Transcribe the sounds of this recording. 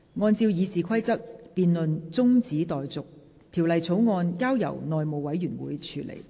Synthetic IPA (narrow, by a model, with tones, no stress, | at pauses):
ŋɔː˧nt͡siː˧wjiː˨˧siː˨˩kʰɐ˥jt͡sɐ˥t̚piː˧nlɵ˨nt͡sʊ˥ŋt͡siː˨˥t̪ɔː˨jt͡sʊ˨k̚ | t̪ʰiː˨˩wlɐ˨˧jt͡sʰo˨˥wŋɔː˧nkaː˥wjɐ̰˨˩wnɔː˨jmo˨wwɐ˨˥jyː˨˩nwṵː˨˦jt͡ʃʰyː˧˥lḛ˨˩j